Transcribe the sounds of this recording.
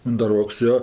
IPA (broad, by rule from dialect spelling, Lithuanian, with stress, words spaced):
ʊndɐˈroːks ˈjoː